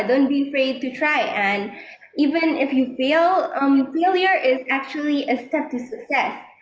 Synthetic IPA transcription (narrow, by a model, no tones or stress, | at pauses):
d̪õʊ̃nt̚biəfɹeɪd̪̚tɨtʰɹaɪʔɨ̃n | ʔivɨ̃nɪfjɨfilˠʌ̃mfelˠjə˞ʔɪzæk̚t͡ʃuəlˠiʔɨstɛp̚t̪usɨksɛs